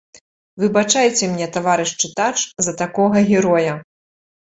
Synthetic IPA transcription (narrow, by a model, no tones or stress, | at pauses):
vɨbat͡ʂajɛt͡sʲɛmnʲɛt̪avaɾɨʂt͡ʂɨt̪at͡ʂzɐt̪akɔɣɐɣʲɛɾɔjɐ